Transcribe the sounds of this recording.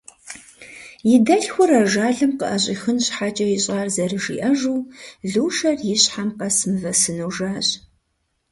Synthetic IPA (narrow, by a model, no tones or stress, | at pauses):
jɪdɐɬxʷʊɾɐʒaːɮɨmqəʔɐɕʼiːxɨnɕħaːt͡ʃʼɐjɪɕʼaːrzɐrɨʒḭːʔɐʒuːɮuːʃɐrjɪɕħamqɐsmɨvɐsɨnuwʒaːɕʼ